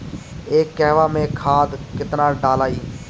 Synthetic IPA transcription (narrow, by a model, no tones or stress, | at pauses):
eːkɛːʋaːmẽːkʰaːd̪kɪt̪naːɖaːlaːiː